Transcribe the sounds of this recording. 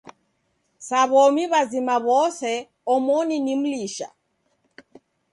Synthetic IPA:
saβɔmiβazimaβɔsɛ | ɔmɔninim̩liʃa̰

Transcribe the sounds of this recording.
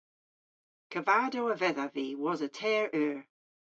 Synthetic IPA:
kʰəvaːdowəvɛðaviːwɔzətʰɛːɹʔɛːɹ

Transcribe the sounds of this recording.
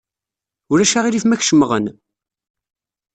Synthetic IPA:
ʊɾæʃaʁiliθmæçʃəməʁən

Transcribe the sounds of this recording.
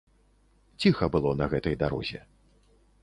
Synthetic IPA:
t͡sʲixɐbɨlˠɔnɐɣɛt̪ɐjd̪aɾɔ̰zʲɛ̰

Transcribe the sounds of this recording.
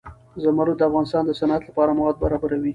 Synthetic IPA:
zamaɾod̪əafɣɑnɪst̪ɑnd̪əsanat̪lapɑɾamawɑd̪̚baɾɑbaɾawi

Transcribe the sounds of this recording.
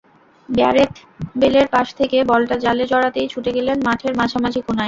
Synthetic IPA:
bea̰ɾet̪beleɾpaʃt̪ʰekebɔlʈad͡ʑaled͡ʑɔɽat̪ejt͡ɕʰuʈeɡelenmaʈʰeɾmaʃʰamad͡ʑʰikunaj

